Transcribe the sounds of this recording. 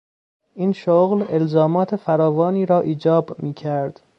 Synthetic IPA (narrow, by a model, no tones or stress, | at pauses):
ʔiːnʃoɣle̞lzɒːmɒːt̪ʰefæɾɒːvɒːniːɾɒːʔiːd͡ʒɒːbmiːcʰæɾd̪̥